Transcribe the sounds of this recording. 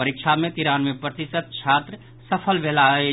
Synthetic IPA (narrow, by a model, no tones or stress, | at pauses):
əɾɪkʃʰamẽt̪iɾaːnmẽpɾət̪ɪsəd̪̚t͡ʃʰaːt̪ɾə | sɐpʰəlʋeːlaɦe